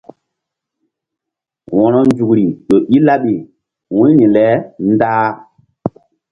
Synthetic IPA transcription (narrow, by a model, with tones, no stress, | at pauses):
wɔ̃˨nɔ˦nd͡ʒu˨kɾi˨ɗo˨ʔi˦la˦ɓi˨ | wũ˦nĩ˨lɛ˨˦n˦daː˦